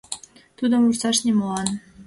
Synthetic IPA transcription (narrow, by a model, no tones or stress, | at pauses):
t̪ud̪ə̆mursɑʃnemolɑn